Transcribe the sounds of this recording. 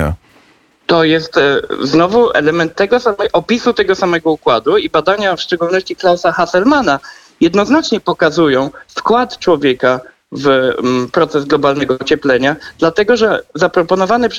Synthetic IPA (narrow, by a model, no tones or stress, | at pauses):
t̪ɔjɛst̪znɔvuɛ̰lɛmɛnt̪ːɛɡɔsamɛʔɔpʲisut̪ɛɡɔsamɛɡɔukwad̪uibad̪aɲafʂt͡ʂɛɡulnɔɕt͡ɕiklawsaxasɛlmana | jɛd̪nɔznat͡ʂɲɛpɔkazujɔ̃w̃skwat̪t͡ʂwɔvʲjɛka | vpɾɔt̪sɛzɡlɔbalnɛɡɔt͡ɕɛplɛɲad̪̥lat̪ɛɡɔʐɛzapɾɔpɔnɔvanɛpʂ